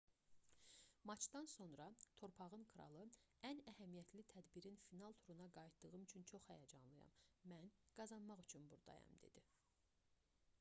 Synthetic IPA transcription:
mɑt͡ʃʰd̪ɑnso̞nɾɑt̪ʰo̞ɾpʰɑʁɯnkʰɯɾɑ̰lˠɯænæhæmijæt̪ʰlit̪ʰæd̪biɾinfinɑlˠt̪ʰuɾunɑɡɑjt̪d̪̥ɯɣɯmyt͡ʃʰynt͡ʃʰo̞χhæjɑd͡ʒɑ̰nlˠɯjɑ̰mmænɡ̥ɑzɑnmɑʁyt͡ʃʰynbuɾd̪ɑ̰jɑ̰md̪e̞̰d̪̥i

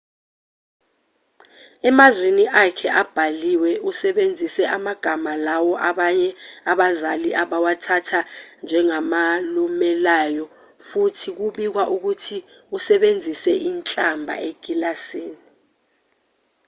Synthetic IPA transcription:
ɛmazweniʔakʰɛʔab̥ʱaliwɛusɛɓend͡zʱisɛʔamaɡ̥ʱamalawɔʔaɓaɲɛaɓazaliʔaɓawatʰatʰand͡ʒʱɛŋamalumɛlajɔ | futʰik̬uɓik̬waʔuk̬utʰi | usɛɓend͡zʱisɛʔint͡ɬʼambʱa̰eɡ̥ʱilasiːni

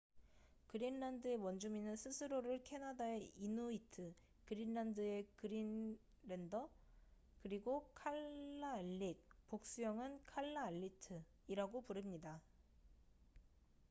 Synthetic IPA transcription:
kɯɾinɾandɯe̞wʌnd͡ʑuminɯnsʰɯsʰɯɾoɾɯɭkʰe̞nadae̞inuitʰɯ | kɯɾinːandɯe̞kɯɾin | ɾe̞ndʌ | kɯɾiɡokʰaɭːaːɭːik̚pok̚s͈ujʌŋɯnkʰaɭːaːʎːitʰɯ | iɾaɡopuɾɯmɲida

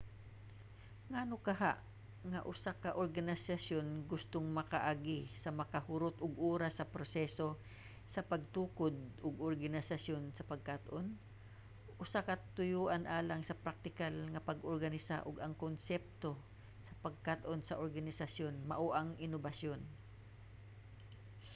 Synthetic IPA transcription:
ŋaːnokɐɦa̰ʔ | ŋɐʔʊsakɐʔoɾɡanɪsasjonɡʊst̪oŋmɐkaʔaɡisɐmɐkɐhʊɾot̪ʔʊɡʔuːɾasːɐpɾosɛso | sɐpɐɡ̚t̪uːkod̪̚ʊɡoɾɡanɪsɐsjonsɐpɐɡ̚kat̪ʔon | ʔʊsakɐt̪ʊjuːʔanʔaːlaŋsɐpɾak̚t̪ɪkalŋɐpɐɡʔoɾɡanɪsa̰ʔʊɡɐŋkonsɛp̚t̪o̞ | sɐpɐɡ̚kat̪ʔonsɐʔoɾɡanɪsasjonmɐ̰ʔoʔaŋʔɪnobasjon

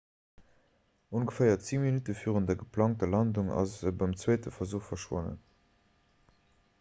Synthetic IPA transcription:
unɡəfɜɪɐt͡siːminytəfyːʁəntdɐɡəpʰlɑːŋ̚tɐlɑnduŋɑ̰zəbɑmt͡swɜɪtəfɐzuːχfɐʃwo̰nə̰n

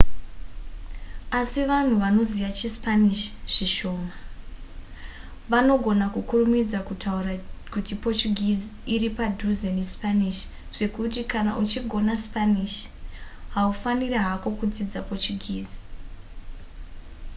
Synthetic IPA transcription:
asiʋan̤uʋano̞ziʋat͡ʃispaniʃʐ̥iʃo̞ːma | ʋano̞ɡʱo̞nakukurumid͡zakutʰaurakutipo̞t͡ʃuɡʱid͡ziiɾipadʱuzenespaniʃ | ʐ̥e̞kutikana̰ʔut͡ʃiɡʱo̞naspaniʃ | ɦaufanireɦako̞kud͡zid͡zapot͡ʃuɡʱiːd͡zi̥

